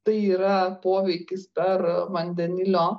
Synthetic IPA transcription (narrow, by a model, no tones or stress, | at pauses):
t̪ɐɪiːɾɐpoːʋʲɛɪkʲɪspʲɛɾʋɐnʲd̪ʲɛnʲɪlʲoː